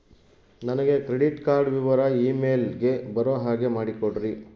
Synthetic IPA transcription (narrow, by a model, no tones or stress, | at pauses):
nɐnɐɡe̞kɾeɽiʈkaːɾɖʋiʋɐɾɐiːmeːlɡe̞bɐɾoːɦaːɡe̞maːɽikoɽɾi